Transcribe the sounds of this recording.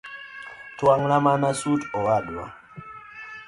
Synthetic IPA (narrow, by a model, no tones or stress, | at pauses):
twaŋlamanasutɔaɗwa̰